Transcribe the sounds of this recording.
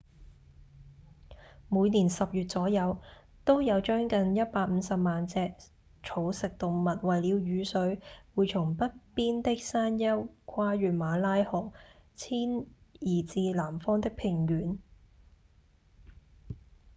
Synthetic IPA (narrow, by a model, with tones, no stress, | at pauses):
muː˨˧jniː˨˩nsɐ˨p̚jyː˨t̚t͡ssɔː˨˥jɐ˨˧w | t̪o˥wjɐ˨˧wt͡ʃœː˥ŋkɐ˨njɐ˥t̚paː˧k̚m̩˨˧˦sɐ˨p̚maː˨nt͡sɛː˧k | t͡sʰo˨˥wsɪ˨k̚t̪ʊ˨ŋmɐ˨t̚wɐ˨jliː˨˧wjyː˨˧sɵ˨˧˥ɥwuː˨˧jt͡sʰʊ˨˩ŋpɐ˥t̚piː˥nt̪ɪ˥k̚saː˥njɐ˥wkʷʰwaː˥ɥyː˨˩nmaː˨˥laː˥jhɔ˨˩ŋt͡sʰiː˥njiː˨˩t͡siː˧laː˨˩mfɔː˥ŋt̪ɪ˥k̚pʰɪ˨˩ŋjyː˨˥n